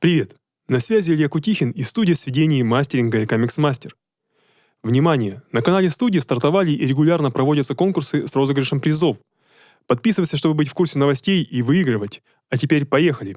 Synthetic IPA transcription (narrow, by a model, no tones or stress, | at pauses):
pɾʲɪvʲe̞t̪ | nɐsvʲæzʲɪlʲjəkʊtʲixʲɪnist̪udʲɪjsʲvʲɪdʲenʲɪːmasʲtʲɪɾʲɪnɡəɪkomʲɪksmasʲtʲɪr | vnʲɪmanʲɪjənəkɐnalʲɪst̪udʲɪːst̪ɐrt̪ɐvalʲɪʔiɾʲɪɡʊlʲarnəpɾɐvo̞dʲət̪səko̞nkʊrsɨsro̞zəɡɾʲɪʂəmpɾʲɪzo̞f | pɐt̪̚pʲisɨvət̪sʲəʂ̬t̪o̞bɨbɨtʲfkursʲɪnəvɐsʲtʲejivɨiɡɾɨvətʲ | ɐtʲɪpʲeɾʲpɐje̞xəlʲɪ